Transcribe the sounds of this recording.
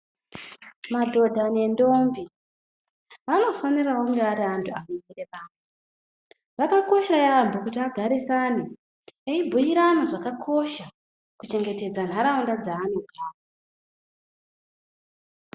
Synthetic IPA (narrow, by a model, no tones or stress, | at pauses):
madʱo̞dʱane̞ndombi | ʋano̞fanirawoŋɡeaɾiantʰuanomireʋaːnu | ʋakako̞ʃajambokutiaɡʱaɾisani | eibʱujiɾanoʐakakʰo̞ʃa | kut͡ʃe̞ŋɡe̞te̞d͡zan̤aɾaundad͡zaːnokʰaːa